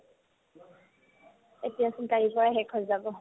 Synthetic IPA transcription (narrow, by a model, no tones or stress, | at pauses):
etijasintaɹikɔɹaɦɛkʰhojzabɔ